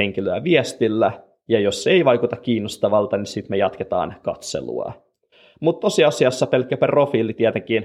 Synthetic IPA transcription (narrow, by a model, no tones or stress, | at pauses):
eŋk̟iløæʋiest̪ilːæ | jɑjoseiʋɑjkut̪ɑkkiːnːost̪ɑʋɑlt̪ɑnisit̪mejɑt̪ket̪ɑ̰ːnkɑ̰t̪sḛlṵɑ̰ | mut̪ːosiɑsiɑsːɑpelkːˑæpæro̞fiːlit̪iɛt̪eŋk̟iːn